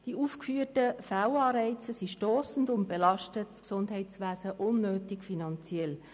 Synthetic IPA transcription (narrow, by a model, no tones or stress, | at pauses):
d̥iʔuːfkfyːətəfawɑːɾɛɪt͡səsiʃtɔːsn̩dʊnt̚b̥elɑʃtətsksʊndɦɛɪtsʋæːsəʔʊnːøːtɪkfinɑnt͡sjɛl